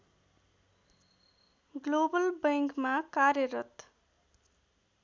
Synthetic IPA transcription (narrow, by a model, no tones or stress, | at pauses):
ɡlobʌlbẽŋkmakaɾjʌɾʌt̪